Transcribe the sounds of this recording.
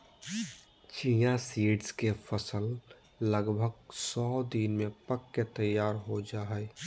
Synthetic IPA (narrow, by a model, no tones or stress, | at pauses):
t͡ʃijasiːɖskepʰəsəl | ləɡbʱəɡ̚sɔːd̪inmẽpəkːet̪əjaːɾɦod͡ʒaːɦɛ